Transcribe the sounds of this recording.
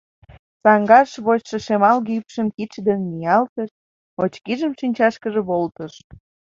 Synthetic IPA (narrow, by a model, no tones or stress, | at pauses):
sɑŋɡɑʃβot͡ɕʃə̆ʃemɑlɣypʃəmkit͡ɕd̪ənmijɑlt̪əʃ | ot͡ɕkiʒəmʃinʲt͡ɕɑʃkəʒĕβolt̪əʃ